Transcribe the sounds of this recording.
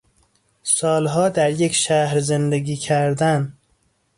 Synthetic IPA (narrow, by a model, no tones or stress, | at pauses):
sɒːlɦɒːd̪æɾjecʰʃæhɾzend̪eɡiːcʰæɾd̪æn